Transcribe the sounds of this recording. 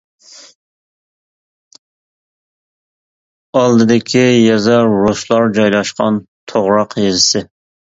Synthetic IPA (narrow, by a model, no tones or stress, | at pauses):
ɑlˠd̪ɨd̪ɪkʲʰijɛzɑɾːoslˠɑɾd͡ʒɑjlˠɑʃqɑn | t̪ʰoʁɾɑqjezɪsɪ